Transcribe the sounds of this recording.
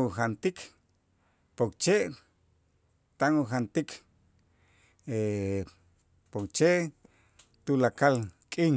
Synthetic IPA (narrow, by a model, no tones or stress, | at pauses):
uxant̪ik | pokt͡ʃeʔ | t̪aŋuxant̪ik | e | pokt͡ʃeʔ | t̪ulakalkʼin